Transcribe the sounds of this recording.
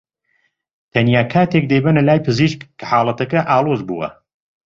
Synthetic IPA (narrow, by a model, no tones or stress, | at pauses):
t̪ʰɐnjaːkʰaːt̪ek̚d̪ɐjbɐnɐlaːjpɨziʃkkʰːɐ̥ħaːlˠɐt̪ɐkɐʔaːlˠoːzbṵːɐ̰